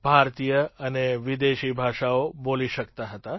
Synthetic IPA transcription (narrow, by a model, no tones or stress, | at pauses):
bʱaɾt̪ijəəneʋid̪eʃibʱaʃaoboliʃəkt̪aɦət̪a